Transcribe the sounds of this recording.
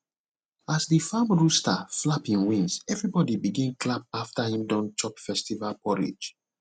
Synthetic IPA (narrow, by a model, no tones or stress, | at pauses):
asðəfãmɹustaflapĩnwĩnsɛvɹibɔdibiɡɛ̃nkʰlap̚aftahĩmdɔ̃nt͡ʃɔpfɛstivalpʰɔɹḭd͡ʒ